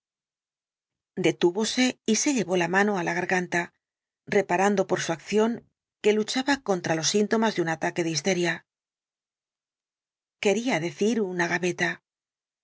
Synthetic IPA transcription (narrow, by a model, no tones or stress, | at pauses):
d̪e̞t̪uβo̞se̞ise̞ʎe̞βo̞lamãno̞alaɣaɾɣant̪a | re̞paɾand̪o̞po̞ɾsuakθjo̞ŋ | ke̞lut͡ʃaβako̞nt̪ɾalo̞sːint̪o̞mazðeunat̪ake̞ðeis̬t̪e̞ɾja | ke̞ɾiaðe̞θiɾunaɣaβe̞t̪a